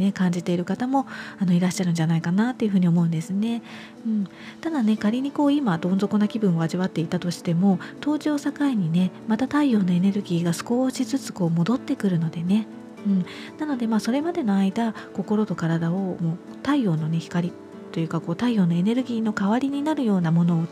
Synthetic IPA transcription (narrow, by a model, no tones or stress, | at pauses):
ne̞kãɲ̟d͡ʑit̪e̞iɾɯ̟kat̪amo̞ano̞iɾaɕːaɾɯ̟nɲ̟d͡ʑanaikanat̪ːe̞iɯ̟ɸɯ̟ːɲ̟io̞mo̞ɯ̟nd̪e̞sɨne̞ | ɯ̟̃ɴ | t̪ad̪ane̞kaɾʲiɲ̟iko̞ːimad̪õ̞nzo̞konakʲibɯ̟̃ɰ̃o̞aʑiβat̪ːe̞it̪at̪o̞ɕi̥t̪e̞mo̞t̪o̞ːʑo̞ːsakaiɲ̟ine̞mat̪at̪aio̞ːno̞e̞ne̞ɾɯ̟ɡʲiːɡasɨ̥ko̞ːɕizɨt͡sɨ̥ko̞ːmo̞d̪o̞t̪ːe̞kɯ̟ɾɯ̟no̞d̪e̞ne̞ | ɯ̟̃ɴ | nano̞d̪e̞maːso̞ɾe̞mad̪e̞no̞aid̪ako̞ko̞ɾo̞t̪o̞kaɾad̪ao̞moː | t̪aijo̞ːno̞ne̞çi̥kaɾʲi | t̪o̞jɯ̟kako̞ːt̪aijo̞ːno̞e̞ne̞ɾɯ̟ɡʲiːno̞kaβaɾʲiɲ̟inaɾɯ̟jo̞ːnamo̞no̞ː